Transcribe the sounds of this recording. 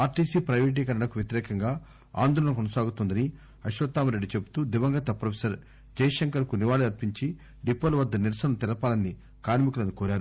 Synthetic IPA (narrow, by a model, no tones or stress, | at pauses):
aːɾʈiːsiːpɾɐjʋeʈ̬iːkɐɾɐɳɐkuʋjet̪iɾɛːkɐŋɡaː | a̰ːnd̪ʱɔːlɐɳɐkɔnɐsaːɡut̪ond̪ɐni | ɐʃʋɐt̪ːaːmɐɾe̞ɖːit͡ʃebu̥t̪uːd̪iʋɐŋɡɐt̪ɐpɾɐpʰesɐɾ | d͡ʒɐːjɐʃɐŋkɐɾkuniʋaːliɐɾpiɲt͡ʃi | ɖipːɐlʋɐd̪ːɐniɾsɐnɐt̪ɛlɐpaːlɐnːi | kaːɾmikulɐnukoːɾaːɾu